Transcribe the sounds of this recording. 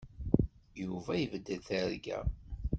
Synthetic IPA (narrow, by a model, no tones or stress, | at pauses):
juvæjəvd̪ːəðθəɾɡæ̰